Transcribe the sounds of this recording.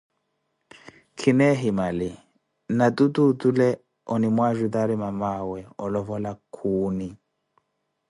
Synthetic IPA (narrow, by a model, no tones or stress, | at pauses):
kʰinɛɦimalɪ | natut̪utulɛ | ɔnimwaʒut̪aɾimamawɛɔlɔvɔlakʰuːni